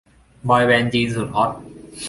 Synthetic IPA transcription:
bɔː˧jwɛː˧nt͡ɕiː˧nsu˨˩t̪̚hʰɔ˦˥t̪̚

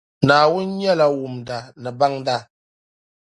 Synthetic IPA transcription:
naː˨wʊ˦nɲɛ˦la˦wʊ˨mda˨nɨ˨ba˦ŋda˦

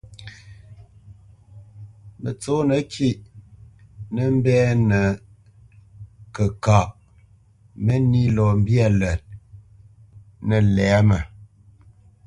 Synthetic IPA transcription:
mə˨t͡so˦nə˨˦kʰi˦ʔ | nə˦m̩˦bɛ˦nə˨ | kə˨ka˨ʔ | mə˦ni˦lɔ˨m̩˦bja˦˨lə˨t̚ | nə˨lɛː˨˦mə˨

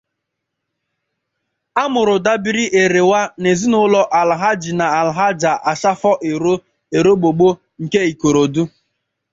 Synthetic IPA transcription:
a˦mʊ˨ɾʊ˨da˦bi˦ɾi˦ʔe˨ɾe˨wa˦ne˨zi˦nʊ˦lɔ˦ʔa˨lɦa˦d͡ʒi˨na˨a˨lɦa˦d͡ʒa˨ʔa˨ʃa˦fɔ˦ʔe˨ɾo˦ | e˨ɾo˦ɡ͡bo˨ɡ͡bo˦ | ŋ̩˨ke˦i˨ko˨ɾo˨du˦

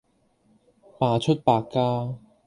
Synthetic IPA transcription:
paː˧t͡ʃʰɵ˥t̚paː˧kːaː˥

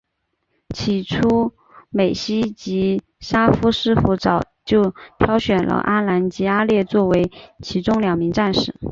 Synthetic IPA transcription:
t͡ɕʰi˨˩ʈ͡ʂʰu˥ | me˨˩ɪɕi˥t͡ɕi˧˥ | ʂa˥fu˥ʂɻ̩˥fu˧˥ʈ͡ʂɑ˨˩ʊt͡ɕjo˥˩ʊt̪ʰjɑ˥ʊɕɥɛ˨˩nlʔə̰˦ʔa˥la˧˥nt͡ɕi˧˥a˥ljɛ˥˧t͡swɔ˥˩we˧˥ɪt͡ɕʰi˧˥ʈ͡ʂʊ˥ŋljɑ˨˩ŋmi˧˥ŋʈ͡ʂa˥˧nʂɻ̩˥˩

